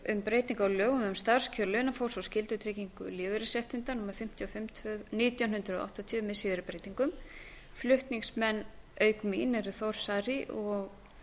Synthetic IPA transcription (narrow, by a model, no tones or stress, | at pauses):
ʏmpɾeːjt̪iŋkawlœːɣʏmʏmst̪aɾ̥scʰœlʏnafowsawscɪlt̪ʏt̪ʰɾeciŋkʏ̰lɪːvɪɾɪsɛht̪ɪnt̪anumaɾ̥fɪm̥t̪ʰiɔfɪmt̪ʰvœniːt̪jawnɦʏnt̪ɾʏɔ̰a̰ht̪ɔt̪ʰjmɛsiːðʏɾɪpɾejt̪iŋkʏm | flʏht̪niŋksmɛnːœːɥkminɛɾθɔwr̥saɾiʔɔɣ